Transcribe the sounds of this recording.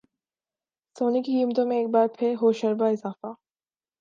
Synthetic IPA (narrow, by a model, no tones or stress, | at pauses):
soːnikiɡiːmət̪õmẽeːk̚baːɾpʰɪɾɦoːʃɐɾbaɪzaːfa